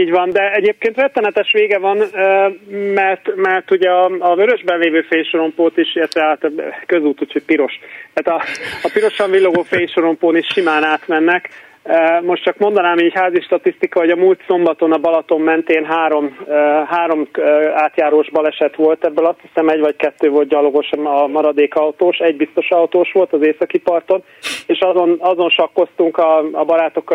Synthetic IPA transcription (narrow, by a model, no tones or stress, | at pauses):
iːɟʋɒnd̪ɛɛɟeːp̚keːnt̪rɛt̪ːɛnɛt̪ɛʃʋeːɡɛvɒnømɛrt̪mɛrt̪uɟɛɒːzøɾø̞ʒbɛnleːvøːfejʃoɾo̞mpoːt̪iʃert̪ɛat̪køzuːt̪uːcho̞c̚piɾo̞ʃt̪aːt̪ɒɒpiɾo̞ʃɒɱvilːoɡoːfeːjʃoɾo̞mpoːniʃʃimaːnaːt̪mɛnːɛk | mo̞ʃtt͡ʃɒkmo̞nd̪ɒnaːmiːchaːziʃt̪ɒt̪ist̪ikɒɦoɟɒmuːlt̪so̞mbɒt̪o̞nɒbɒlɒt̪o̞mːɛnt̪eːnɦaːɾo̞mɦaːɾo̞maːt̪jaːɾoːʒbɒlɛʃɛt̪ʋo̞lt̪ɛbːølɒst̪hisɛmɛɟʋɒckɛt̪ːøːvo̞lt̪ɟɒloɡo̞ʃɒmɒɾɒd̪eːkɒwt̪oːʃɛɟbist̪o̞ʃɒwt̪oːʃʋo̞lt̪ɒzeːsɒkipɒrt̪o̞n | eːʃɒzo̞nɒzo̞nʃɒkːo̞st̪uŋkɒːbɒɾaːt̪o̞kːɒ